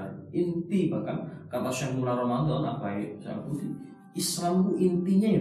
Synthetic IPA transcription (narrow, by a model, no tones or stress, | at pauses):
ʔint̪ibakankat̪asaŋmulaɾomand̪ɔna̰ʔb̥aɪʔsa̰a̰kud̪i | isɾamk̪uʔint̪iɲaji